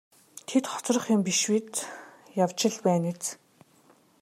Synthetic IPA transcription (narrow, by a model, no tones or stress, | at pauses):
t̪ʰet̪χɔ̥t͡srə̆χjʊmpiʃwit̪ | jawt͡ɕɪ̆ɮpæːnet͡s